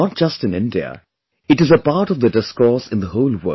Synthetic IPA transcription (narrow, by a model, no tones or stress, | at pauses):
ɔt̚d͡ʒ̥ʌstɨ̃nɪ̃ndiə̰ | ɨʈɨzəpaːʈɔvd̪ədɪskɔːɾsɪ̃nd̪əhoʊlwə̰